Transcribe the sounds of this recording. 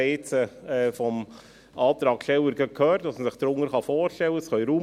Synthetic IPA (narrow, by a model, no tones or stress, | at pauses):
eːt͡səɛfɔm | ʔɑːt̪ɾɑːkʃtɛwəɾɡəkʰøːɾtɑsməsɪχd̪̥ɾʊŋəɾχɑfoːɾʃtɛwəsχœjɾuː